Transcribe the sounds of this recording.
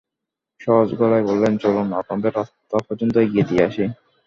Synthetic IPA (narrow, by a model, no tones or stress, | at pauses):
ʃɔɦod͡ʑɡɔlajbolːent͡ɕolomapɔmbeɾɔ | t̪ɔpɔd͡ʑont̪oeɡied̪ieaʃi